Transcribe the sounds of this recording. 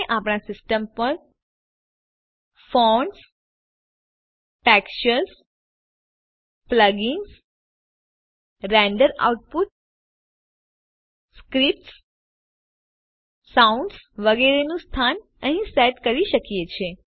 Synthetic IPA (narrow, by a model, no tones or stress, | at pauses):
ʔapɳasɪsʈəmpəɾ | fɔɳs | pɛkʃəɾs | pləɡiŋɡs | ɾɛɳɖəɾa̰uʈ̚put̪̚ | skɾip̚ʈs | saũɳɖsʋəɡɛɾenũst̪ʰan | əɦĩseʈkəɾiʃəkijet͡ʃʰe